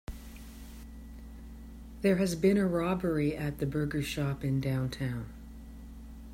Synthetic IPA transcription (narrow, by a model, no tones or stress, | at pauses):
ðə˞ɨzbɪ̃ɾ̃ɨɹɑbə˞iɨt̪̚ðɨbɜ˞ɡə˞ʃɑpɨ̃ndãʊ̃ntʰãʊ̃n